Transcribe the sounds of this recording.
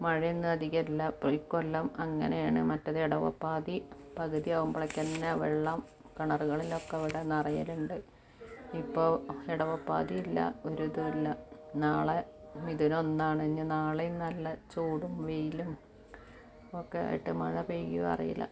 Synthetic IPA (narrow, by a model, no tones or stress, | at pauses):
mɐɻinːɨɐd̪iɣɐilːɐprikːolːɐmɐŋːɐnejaːɳɨmɐtːɐðɨeɽɐʋɐ̰pːaːðipɐɣɐðiɐʋɐmbɐɭɐkʲːɐnːɐʋeɭːɐm | kɐɳɐruɣɐɭilokːeɐʋiɽenɐrɐjɐluɳɖɨ | ipːo̞ːeɽɐʋɐpːa̰ːðiilːɐ̰oɾuðuʋilːɐnaːɭemiðunonːaːɳɨeɲːɨnaːɭenɐlːɐt͡ɕuːɽumʋejilum | okːea̰ːjḭʈːɨmɐ̰ɻɐpejɡiʋɐ̰rḭjḭlɐ̰